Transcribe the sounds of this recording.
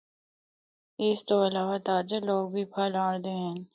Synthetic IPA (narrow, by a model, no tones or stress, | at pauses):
ɪst̪oɐlaːʋat̪aːd͡ʒəloːɡ̚bʱipʰaːlaːɽd̪eɦɛ̃ːn